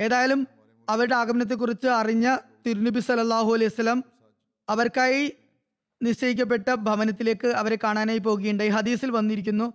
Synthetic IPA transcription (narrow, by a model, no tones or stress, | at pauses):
e̞ːðaːjɐlum | ɐʋɐɾuɽe̞aːɡɐmɐnɐt̪̬ːek̬ːurit͡ɕːɨɐriɲːɐt̪iɾunɐbʱisɐlːɐlːaːɦuɐlejusɐlːɐm | ɐʋɐrkaːji | niɕt͡ɕɐjik̬ʲːɐp̬ːe̞ʈːɐbʱɐʋɐnɐt̪ːile̞ːkːɨɐʋɐɾekaːɳaːnaːjip̬o̞ːɣɐjuɳɖaiɦɐd̪iːsilʋɐnːiɾikʲːunːu